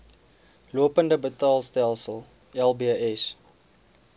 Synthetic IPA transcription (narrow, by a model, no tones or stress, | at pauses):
luəpəndəbətɑːlˠstælˠsəlˠ | ɛlˠbiəɛs